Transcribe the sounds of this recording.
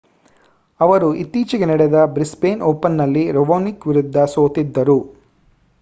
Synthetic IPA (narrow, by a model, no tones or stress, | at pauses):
ɐʋɐɾuit̪ːiːt͡ʃiɡenɛɽɛd̪ɐbɾispeːnoːpɐnːɐlːiɾoʋoːnikʋiɾud̪ʱːɐsoːt̪id̪ːɐɾu